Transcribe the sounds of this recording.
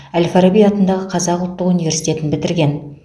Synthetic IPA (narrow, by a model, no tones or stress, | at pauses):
ælʲfaɾobijɑt̪ənd̪ɑʁəqʰɑzɑqʊlˠt̪ːəqunijvʲe̞ɾsi̥jt̪e̞t̪ɪnbɪt̪ɪɾɡʲe̞n